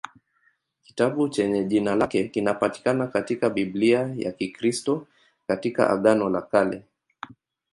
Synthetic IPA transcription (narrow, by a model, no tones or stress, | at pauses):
ki̥taɓut͡ʃɛɲɛʄinalakɛkinapati̥kanakatikaɓibliaja̰kikɾistɔ | katika̰ʔa̰ɠanɔla̰kalɛ